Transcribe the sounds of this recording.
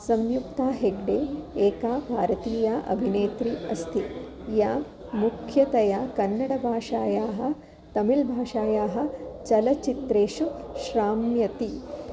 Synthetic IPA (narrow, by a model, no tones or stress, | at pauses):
sɐmjukt̪aːɦeɡɖeːeːkaːbʱaːɾɐt̪iːjaːʔɐ̰bʱineːt̪ɾiːʔɐst̪ʰi | jaː | mukʰjɐt̪ɐjaːkɐnːɐɽɐbʱaːʂaːjaːɦɐ̆ | t̪ɐmilbʱaːʃaːjaːɦɐ̆t͡ʃɐlɐt͡ʃit̪ɾeːʃuʃɾaːmjɐt̪i